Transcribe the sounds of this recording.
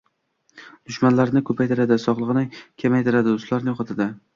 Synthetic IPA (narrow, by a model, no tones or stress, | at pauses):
d̪̥ʊʃmanlaɾnɪkʰɵpʰajt̪ʰɪɾad̪ɪsɒʁlˠɨʁɨnɪkʲʰemajt̪ʰɪɾad̪ɪʊst̪laɾnɪjoχɑt̪ʰad̪ɪ